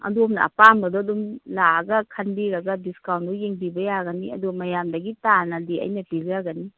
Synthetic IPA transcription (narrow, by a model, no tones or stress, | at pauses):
ɐ̰duɐmnɐ̰ɐ̰pambɐdɔɐdɔmlaɡɐkʰɐnbiɾaɡɐbiskawnbujeŋbibɐjaɡɐniɐ̰dumɐjamdaɡitanɐdiɐ̰jnɐpiljaɡɐni